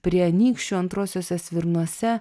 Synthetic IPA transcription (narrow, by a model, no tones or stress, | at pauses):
pʲɾʲiɛnʲiːkʃʲt͡ʃʲuɐnt̪ɾoːsʲoːsʲɛsʲʋʲɪɾnuɔsʲɛ